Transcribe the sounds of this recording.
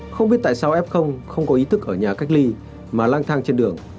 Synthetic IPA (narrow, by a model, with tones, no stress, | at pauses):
xə˧wŋ͡mɓi˦˥t̚t̪a̰ː˧˨saː˧wʔɛ˦˥p̚xə˧wŋ͡mxə˧wŋ͡mkɔ˨˦ʔi˨˦t̪ʰɨ˦˥kʔəː˧˩ɲaː˨˩ka˦˥jk̟̚li˧ | maː˨˩laː˧ŋt̪ʰaː˧ŋt͡ɕe˧nɗɨ˨˩əŋ